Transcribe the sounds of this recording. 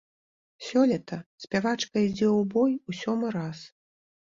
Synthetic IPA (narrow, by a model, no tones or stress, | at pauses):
sʲɔlʲɛt̪ɐsʲpʲavat͡ʂkɐid͡zʲɛwbɔjusʲɔmɨɾas